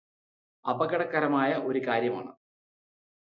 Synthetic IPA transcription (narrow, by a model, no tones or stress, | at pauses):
ɐbɐɣɐɽɐkːɐɾɐmaːjɐʔo̞ɾukaːɾjɐma̰ːɳɨ